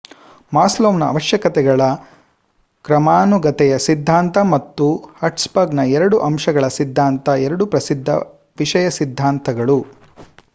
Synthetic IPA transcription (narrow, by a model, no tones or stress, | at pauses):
maːsloːʋnɐɐ̰ʋɐʃjɐkɐt̪ɛɡɐɭɐ | kɾɐmaːnuɡɐt̪ɛjɐsid̪ʱːaːnt̪ɐmɐt̪ːuhɐʈspɐɡnɐɛɾɐɽuʔɐmʂɐɡɐɭɐsid̪ʱːaːnt̪ɐɛɾɐɽupɾɐsid̪ʱːɐ̰ | ʋiʂɐjɐsid̪ʱːaːnt̪ɐɡɐɭu